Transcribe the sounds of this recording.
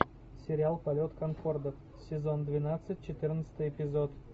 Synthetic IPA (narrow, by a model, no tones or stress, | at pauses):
sʲɪɾʲɪalˠpɐlʲo̞t̪kɐnfo̞rd̪əf | sʲɪzo̞nd̪vʲɪnat̪sɨt̚ʲt͡ɕɪt̪ɨrnət̪sɨ̥t̪ɨjɪpʲɪzot̪